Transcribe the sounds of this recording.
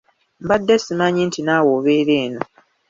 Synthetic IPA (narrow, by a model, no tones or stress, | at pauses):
mbadːesimaɲintʰinaːwoβeɾe̞ːno